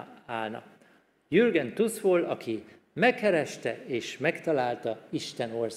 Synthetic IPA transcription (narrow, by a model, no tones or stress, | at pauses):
aːlnɒ̰ | jyrɡɛnt̪ushoːlɒkʰi | mɛkːɛɾɛʃt̪ɛeːʃmɛkt̪ɒlaːlt̪ɒiʃt̪ɛnors